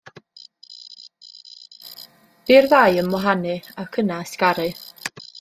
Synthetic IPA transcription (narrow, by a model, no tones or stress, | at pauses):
b̥iːrðajənmɔɦanɨakʰənaskaɾɨ